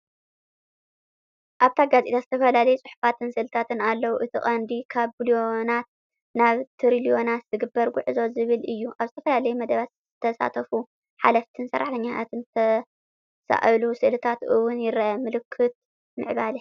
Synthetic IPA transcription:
ʔaβt̪ʰaɡazʔet̪azɨt̪ʰɐfɐlalɐjut͡sʼʊħu̥fat̪ʰɨnsɨʔlɨt̪ʰat̪ʰɨnalːɐwuʔɨt̪ʰɨχʼɐnd̪ikʰaβbuljo̞nat̪̚ | naβt̪ʰɨɾilijo̞nat̪zɨɡɨbːɐɾɡʷʊ̰ʕɨzo̞zɨβɨlʔɨjːuʔaβzɨt̪ʰɐfɐlalɐjumɐd̪ɐβat̪z̥ɨt̪ʰɐsa̰t̪ʰɐfu | ħa̰laft̪ʰɨnsɐ̰rːa̰ħt̪ʰɐɲːat̪ʰat̪ʰɨnt̪ʰɐ | sa̰ʔlusɨʔlɨt̪ʰat̪ɨwʊnjɪrːaʔamɨlɨkʰːɨt̪̚ | mɨ̰ʕbali

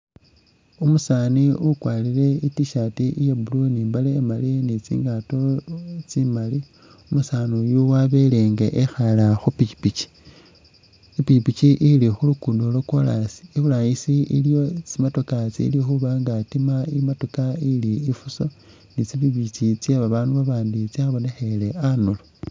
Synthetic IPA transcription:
umusaniukwaːlile̞itiʃatiʔijabulunimbaleːmalinit͡sḭːŋɡato̞t͡simali | umusanojuwaβe̞leŋɡeʔexalaxupiipit͡ʃi̥ | ipicipit͡ʃiʔilixulukuːndoloko̞lasi̥ːβulajisiḭljo̞t͡simotokat͡sḭlixuβaŋɡatimaimatokailiːfuso̞ | nit͡siβiβit͡ʃit͡sjeβaβaːnduβaβaːndit͡siaβo̞nexele̞anolo

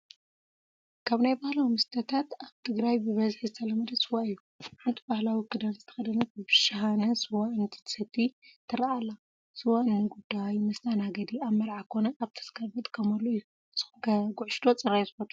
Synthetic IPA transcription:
kʰaβnajbahlawimɨst̪ʰɐt̪ʰat̪aβt̪ʰɨɡɾajbɨβɐzħizɨt̪ʰɐlɐmɐd̪ɐsɨwaɨjːu | ʕant̪ʰibahlawikʰːɨd̪anzɨt̪ʰɐ̥xɐd̪ɐnɐɨbɨʃaɦanɐsɨwaɨnt̪ʰi̥t̪ʰɨ̥sɐt̪ʰːit̪ʰɨɾaalːa | sɨwaɨnːɨɡud̪ːajmɐst̪anaɡɐd̪iaβmɐɾʕakʰo̞nɐʔaβt̪ʰɐ̥skʰɐɾbɐt̪ʼkʰɐmɐlːoɨjːu | sɨkɐɡuʕʃt̪ʰo̞t͡sʼɨrːajzɨxot̪ʰu

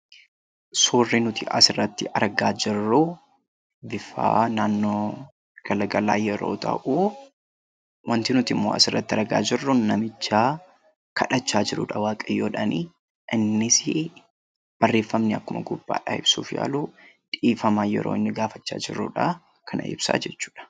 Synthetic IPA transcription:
suːrːɪnʊt̪ɪʔɐsɪrːɐt̪ːɪʔɐɾɡaːd͡ʒɪrːu | bɪfa̰ːnaːnːoː | ɡ̥ɐlɐɡɐla̰ːjɛɾo̞̰ːt̪ʰɐ̰ʔu | wʔɐnt̪ɪnʊt̪ɪmːoːɐ̰sɪrːɐt̪ːɪɐɾɡa̰ːd͡ʒɪrːʊnɐmɪt͡ʃːaː | kʰɐᶑɐt͡ʃːaːd͡ʒɪɾʊ̰ᶑɐwaːkʼɐjoːᶑɐniː | ʔɪnːɪsɪ | b̥ɐrːeːfːɐmnɪɐkːʊmɐɡʊbːa̰ːᶑa̰ɪ̰bsṵːfja̰ːluːᶑiːfɐmaːjɛ̰ɾo̰ːɪnːɪɡaːfɐt͡ʃːa̰ːd͡ʒɪrːṵᶑa | kʰɐnʔɐ̰ɪ̰bsa̰ːd͡ʒɛt͡ʃːu̥ːᶑɐ̥

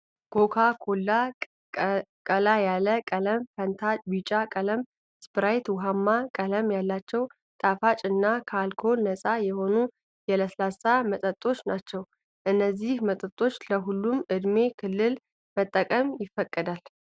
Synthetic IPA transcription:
ɡ̥okʰakʰolːa | kʼəlajaləkʼələmfənt̪ʰat͡ʃʼbit͡ʃʼakʼələm | spɨɾajt̪wʊɦamːakʼələmjalːat͡ʃːɛw | t̪ʼafat͡ʃʼɨnːakʰalkʰo̞nːəsʼajɛho̞nu | jɛləsəlasamət̪ʼət̪ʼo̞t͡ʃːnat͡ʃːɛw | ʔɨnːəzːihmət̪ʼət̪ʼo̞t͡ʃːləɦulːumʔɨd̪me̞kʰɨlːɨl | mət̪ʼːəkʼəmjɪfːəkʼːəd̪al

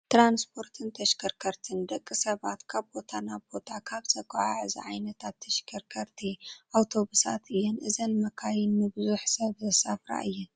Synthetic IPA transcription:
t̪ɾanspʰo̞ɾt̪ʰɨnt̪ʰɐʃkʰɐɾkʰɐɾt̪ʰɨnd̪ɐkʼːɨsɐβat̪kʰaβbo̞t̪ʰanaβbo̞t̪ʰakʰaβt͡sʼɐkʼaʕaʕɨzḭʕajnɐt̪ʰat̪ʰːɐʃkʰɐɾkʰɐɾt̪ʰiʔawt̪ʰo̞βusa̰t̪ɨjːɛnʔɨzɐnmɐkʰajinmɨbɨzuħsɐβzɐsafɾa̰ʔɨjːɛn

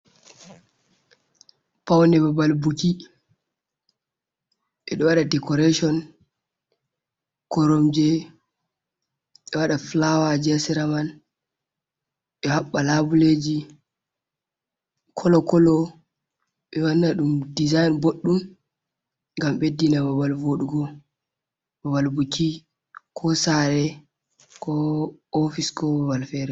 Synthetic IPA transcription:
pawnɛbabalbuki | ʔɛɗɔwaɗadɛkɔɾeʃɔn | kɔɾomd͡ʒɛ | ɓɛwaɗaflawad͡ʒɛsɛɾaman | ɓɛhaɓːalabuled͡ʒi | kʰɔlɔkɔlɔ | ɓɛwanːaɗumdizajnboɗːum | ŋɡamɓedːinababalvoɗuɡɔ | bawalbukʰi | kʰɔsaɾɛ | kɔɔfiskɔbabalfɛɾɛ

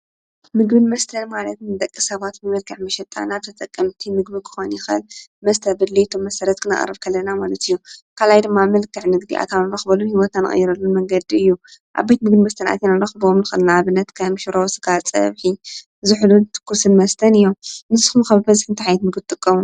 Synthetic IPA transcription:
mɨɡbɨnmɐst̪ʰɐnmalɐt̪nɨd̪ʼɐkʼːisɐβat̪mɨmɐlkʰɨħmɐʃɛt̪ʼa̰naβt̪ʰɐt̪ʼɐkʼːɐmt̪ʰimɨɡ̚bɨkʰɨ̥xonjɪxɐ̰lmɐst̪ʰɐbɨd̪liɨt̪ʰomːɐsɐɾɐt̪̚kʰɨnɐ̰ʔʼrːɐ̰βkʰɐlːɐnamalɐt̪ɨjːukʰalajd̪ɨmːamɐlkɨʕnɨɡd̪iʔa̰t̪ʰanalɐxbɐlunhiwot̪ʰanɨ̰χʼɨ̰jiɾɐlːunmɐŋɡɐd̪iɨjːuʔa̰bajt̪mɨɡbimɐst̪ʰɐnʔa̰t̪ʰanalːɐxɨbomnɨxɨ̰lnaaβɨnːɐt̪kʰɐmʃuɾowsɨ̥ɡat͡sʼɐ̰βħi | zɨħlut̪ʰɨ̥kʰːusɨnmɐst̪ʰɐnɨjːomnɨsɨ̥xumkaβbɐzħɨnt̪ʰiħajɛt̪mɨɡɨt̪ʼɨkʼːɐmu

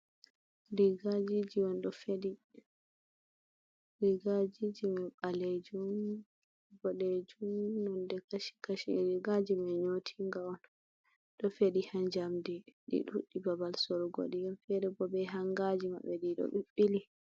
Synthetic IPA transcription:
ɾiɡad͡ʒid͡ʒiwɔnɗɔfedi | ɾiɡad͡ʒid͡ʒimɛɓaled͡ʒum | bɔɗed͡ʒumnɔndɛkaʃi̥kaʃḭɾiɡad͡ʒimɛɲotʰiŋɡawɔn | ɗɔfeɗihand͡ʒamdiɗḭɗṵɗːibabalsɔɾɔɡo̰ɗijamfɛɾɛbɔbɛɦaŋɡad͡ʒima̰ɓːɛɗiɗɔ̰ɓiɓːili

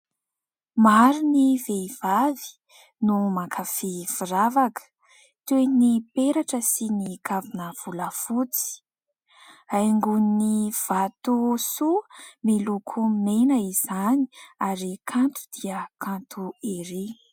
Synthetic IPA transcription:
maɾinivev̥avi̥ | numakʰafifiɾavakə̥ | t̪enipeɾaʈ͡ʂəsinikavinəv̥uləfut͡si̥ | ajŋɡuniniv̥at̪usumilukʰuminenəiz̥ani̥aɾikʰant̪u̥d̪̥iəkant̪ʰueɾe

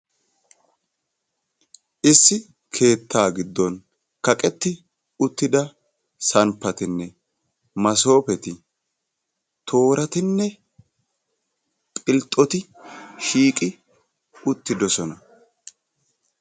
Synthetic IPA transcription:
ʔɪsːɪ | kʰe̞ːt̪ːaːɡɪd̪ːɔn | kɐkʼɛt̪ːɪ | ʊt̪ːɪd̪ɐ | sɐnpːɐt̪ɪnːɛ | mɐs̬o̞ːpɛt̪ɪ | t̪ʰo̞ːɾɐt̪ɪnːɛ | pʼɪlt̪ʼɔt̪ɪ | ʃiːkʼɪ | ʊt̪ːɪd̪ɔsɔnɐ

